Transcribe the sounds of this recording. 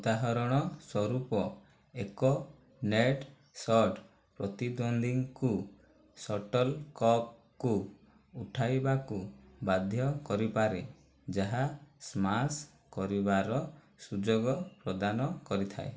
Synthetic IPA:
ud̪aɦɔɾɔɽ̃ɔswɔɾupɔ | ekɔ | neʈ | sɔʈ | pɾɔt̪id̪ɔnd̪iŋku | sɔʈɔlkɔp̚ | ku | uʈʰajbakubad̪ʱjɔkɔɾipaɾe | d͡ʒaɦasmas | kɔɾibaɾɔ | sud͡ʒoɡɔpɾɔd̪anɔkɔɾit̪ʰa̰e

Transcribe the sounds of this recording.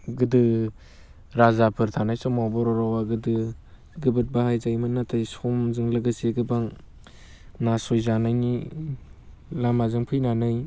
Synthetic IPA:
ɡɯdɯ | ɾazapʰɯɾtʰanajsɔmawbɔɾɔɾɔwaɡɯdɯ | ɡɯbɯt̚bahajzajmɯnatʰajsɔmzɯŋlɯɡɯseɡɯbaŋ | nasɔjzanajni | lamazɯŋpʰɯjnanaj

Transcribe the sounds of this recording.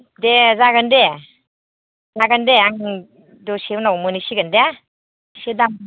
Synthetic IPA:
dezaɡɯnde | zaɡɯndeaŋ | dɔsewnawmɯnisiɡɯnde | sedam

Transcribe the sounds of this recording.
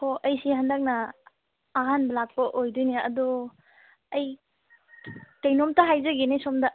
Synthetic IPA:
hoʔɐjsihandɐk̚nɐː | ɦanbɐlak̚pɐʔojdɔjniɐ̰dɔ | ɐj | kɐjnɔmtaɦajzɐɡenajsɔmdɐ

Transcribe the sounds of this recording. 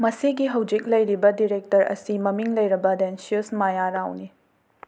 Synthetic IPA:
mɐsiɡiɦɐwd͡ʒik̚lɐjɾibɐdiɾek̚tɐɾɐ̰simɐmiŋlɐjɾɐbɐdensiusmajaɾawni

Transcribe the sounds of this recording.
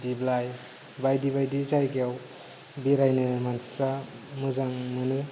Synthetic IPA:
diblaj | bajdibajdizajɡeaw | biɾajnɯmantɾa | mɯzaŋnɯnɯ

